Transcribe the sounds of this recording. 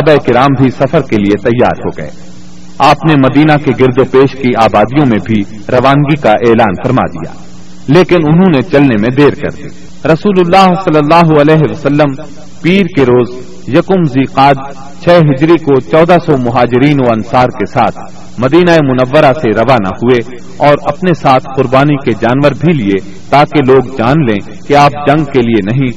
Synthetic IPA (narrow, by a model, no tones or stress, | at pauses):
baeɪkɪɾaːmbʱisɐfəɾkeliet̪ɐjːa̰ːɾɦo̰ːɡɐ̰ḛː | aːpnemɐd̪iːnakeɡɪɾd̪opeːʃkiaːbaːd̪ijõmẽbʱi | ɾɐʋaːŋɡikaʔeːlaːnfɐɾma̰ːd̪ḭja̰ː | leːkɪnʊnɦõnet͡ʃɐlnemẽd̪eːɾkɐ̰ɾd̪ḭː | ɾɐsuːlʊlːaːɦsɐlːəlːaːɦoɐlɛːɦeʋɐsəlːəm | piːɾkeɾoːz | jɐkʊmziːqaːd̪ | t͡ʃʰɛːɦɪd͡ʒɾikot͡ʃɔːd̪asɔmʊɦaːd͡ʒɪɾiːnoɐnsaːɾkesaːt̪ʰ | mɐd̪iːnaemʊnəʋːəɾaseɾɐʋaːna̰hʊe | ɔːɾɐpnesaːt̪ʰqʊɾbaːniked͡ʒaːnʋəɾbʱilie | t̪aːkeloːɡd͡ʒaːnlẽː | keaːp̚d͡ʒɐ̃ŋɡkelienɐɦĩ